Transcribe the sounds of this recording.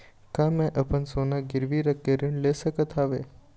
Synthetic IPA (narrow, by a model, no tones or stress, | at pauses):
kãmɛ̃ʔəpənsonaɡɪɾʋiɾəkːeɾiɳlesəkət̪ʰaʋe